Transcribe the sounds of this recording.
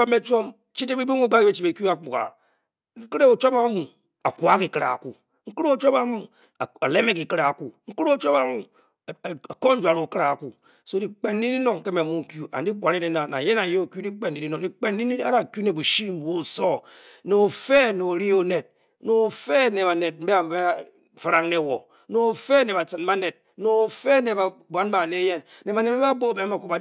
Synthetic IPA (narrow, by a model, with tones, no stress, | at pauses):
o˦me˦t͡ʃo˦m | t͡ʃi˦te˦bi˦bu˦ŋu˦ɡ͡ba˦ke˦t͡ʃi˨e˨kju˦a˦˨k͡pu˨ka̰˨˦ | kɨ˦ɾe˦o˨t͡ʃo˦ma˦mu˨ | a̰˨kwa˦ki˨kɨ˦ɾa̰˨ku˨ | ŋ̩˦kɨ˦ɾo˦o˦˨t͡ʃo˦ma˦mu˨ | a˨a˨le˦me˦ki˨kɨ˦ɾa˨ku˨ŋ̩˦ku˦ɾo˦o˦t͡ʃo˦ba˦mu˨ | a˨ko˦n̩˦d͡ʒwa˨ɾo˨kɨ˦ɾa˨ku˨ | so˦di˦k͡pe˨n˦i˦di˦no˦˨ŋ˨ke˦me˨mu˦ŋ̩˨kju˦a̰˨n˦di˦kʷa˨ɾe˦ne˨na˨na̰˨je˦na˨je˦o˨kju˦di˦k͡pe˦˨nː˨i˦di˦no˨di˦k͡pe˦ni˦a˦ɾa˨ku˦ne˨bu˨ʃi˦m˨wo˦˨so˦ | no˨fe˦no˨ɾi˦o˦ne˨t̚ | no˨fe˦ne˨βa˨ne˨t̚m̩˦be˦a˨be˦˨ | fɾa˦ŋne˦˨wo˨ | no˨fe˦ne˨ba˨t͡sɨ˨n˦ba˦ne˨t̚ | no˨fe˦ne˨ba˨bʷa˦n˦ba˨ne˦je˦nne˨ba˨ne˨˦a˦bo˦˨be˦ma˨ku˦ba˨